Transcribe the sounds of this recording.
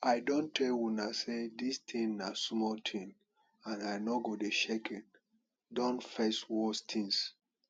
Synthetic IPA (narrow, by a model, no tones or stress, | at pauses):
ajdõntʰɛlwunasedistʰĩnːasmɔtʰĩn | ãnajnɔɡodeʃekʰɛ̃n | dɔ̃nfeswɔstʰĩŋs